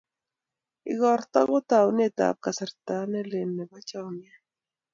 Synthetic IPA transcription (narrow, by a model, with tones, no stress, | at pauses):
ɪ̰ɣɔ˨ɾt̪ɔ˦ɡɔ˦t̪a˨wnɛ˦t̪a̰˨p̚ka˨sɛ˨ɾt̪a˦nɛ˦lɪ˨nːɛ˨ba˦t͡ʃa˦wnɛ˦